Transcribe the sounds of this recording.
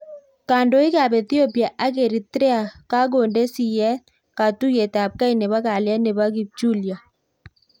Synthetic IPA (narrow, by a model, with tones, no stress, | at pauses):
ka˨ndo˨˦ɪ˦ka˨bɛ˨θjo˦pja˨ʔa˦ɡe˨ɾi˨tɾɛ˦a˨ka˦ɡo˨nde˦si˨jɛ˦ | ka˨tu˦je˨tɛa˨p̚ka˦i˨nɛ˨βa˦ka˨lja˦ne˨βa˦ɡi˨b̚d͡ʒu˦˨lja˨